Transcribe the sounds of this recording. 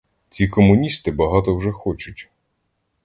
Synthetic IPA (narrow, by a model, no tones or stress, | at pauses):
t͡sʲikɔmʊnʲist̪ɪbɐɦɑt̪ɔwʒɛxɔt͡ʃʊtʲ